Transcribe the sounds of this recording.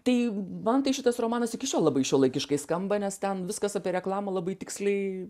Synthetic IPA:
t̪ɐɪmɐnt̪ɐɪʃʲɪt̪ɐsroːmɑːnɐsɪkʲɪʃʲoːlˠɑbɐɪʃʲoːlˠɐɪkʲɪʃkɐɪskɐmbɐnʲɛst̪ʲɛnʋʲɪskɐsɐpʲiɛɾʲɛklˠɑːmɐlˠɐbɐɪt̪ʲɪksʲlʲɛɪ

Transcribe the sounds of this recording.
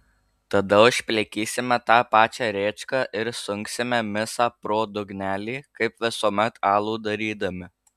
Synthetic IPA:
t̪ɐd̪ɐʊʃʲpʲlʲɛkʲiːsʲɪmʲɛt̪ɑːpɑːt͡ʃʲæːɾʲeːt͡ʃkɑːʔɪɾsʊŋʲksʲɪmʲɛmʲɪsɑːpɾoːd̪ʊɡnʲæːlʲiːkɐɪpʋʲɪsuːmʲɛt̪ɑːlˠuːd̪ɐɾʲiːd̪ɐmʲɪ

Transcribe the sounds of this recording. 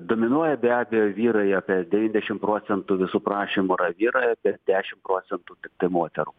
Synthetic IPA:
d̪oːmʲɪnuɔjɛbʲæːbʲejoːʋʲiːɾɐɪjɐpʲɛd̪ʲɛʋʲiːnʲd̪ʲɛʃʲɪmpɾoːsʲɛnt̪uːʋʲɪsuːpɾɑːʃʲimuɾɐʋʲiːɾoːjɛpʲɛɾd̪ʲæːʃʲɪmpɾoːt̪sʲɛnt̪uːt̪ʲɪk̚t̪ɐɪmoːt̪ʲɛɾuː

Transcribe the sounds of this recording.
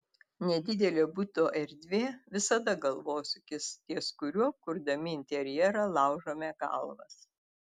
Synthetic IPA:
nʲɛd̪ʲɪd̪ʲɛlʲoːbʊt̪oːʔɛɾʲd̪ʲʋʲeːʋʲɪsɐd̪ɐɡɐlˠʋoːsʲʊk̪ʲɪst̪ʲiɛskʊɾʲukʊɾd̪ɐmʲɪɪnʲt̪ʲɛɾʲjɛɾɑlˠɑˑʊʒoːmʲɛːkɐ̰lˠʋɐ̰s

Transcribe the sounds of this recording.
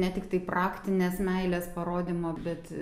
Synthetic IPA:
nʲɛt̪ʲɪkt̪ɐɪprɑːkt̪ʲɪnʲeːsmʲɛɪlʲɛspɐɾoːd̪ʲiːmoːbʲɛt̪

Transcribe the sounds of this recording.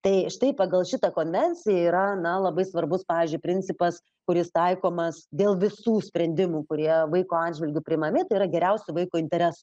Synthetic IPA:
t̪ɐɪʃt̪ɐɪpɐɡɐlˠʃʲɪt̪ɐkoːnʲʋʲɛnʲt͡sʲɪjɛiːɾɐnɐlˠɐbɐɪsʋɐrbʊspɑːʋʲɪːzʲd͡ʒʲʊɪpʲɾʲɪnʲt͡s̪ʲɪpɐs | kʊɾʲɪst̪ɐɪkoːmɐsd̪ʲeːlˠʋʲɪsuːsʲpʲɾʲɛnʲd̪ʲɪmuːkʊɾʲiɛʋɐɪkoːɑːdʲʒʲʋʲɪlʲɡʲʊpʲɾʲɪmɐmʲeːt̪ɐɪiːɾɐɡʲɛɾʲɛʊsʲʊʋɐɪkuːɪnʲt̪ʲɛɾʲɛsʊ

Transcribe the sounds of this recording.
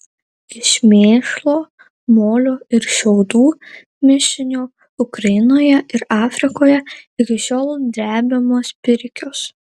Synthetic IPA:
ɪʃʲmʲeːʃlˠoː | moːlʲoːɪɾʃʲɛʊd̪uː | mʲɪʃʲɪnʲuː | ʊkɾɐjɪnoːjɛʔɪɾɑːfʲɾʲɪkoːjɛɪkʲɪʃʲoːlˠd̪ʲɾʲæːbʲɪmoːspʲɪɾʲkʲʊs

